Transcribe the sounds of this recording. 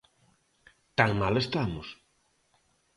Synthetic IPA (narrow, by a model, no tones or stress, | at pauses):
t̪aŋmalest̪amʊs